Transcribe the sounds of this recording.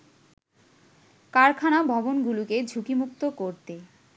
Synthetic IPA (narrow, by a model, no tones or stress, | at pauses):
kaɾkʰanabʱɔbonɡuluked͡ʑʱukimukt̪okoɾt̪e